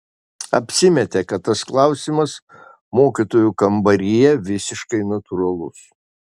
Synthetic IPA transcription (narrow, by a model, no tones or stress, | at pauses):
ɐ̰pʲsʲɪmʲɛt̪ʲekɐt̪t̪ːɐsklˠɐʊsʲimɐs | moːkʲit̪oːjukɐmbɐɾʲɪjɛʋʲɪsʲɪʃkɐɪnɐt̪ʊɾɐlˠʊ̰s